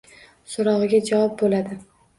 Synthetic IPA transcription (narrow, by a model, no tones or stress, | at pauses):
soɾɒʁɨɡʲad͡ʒavɒp̚bolad̪ɪ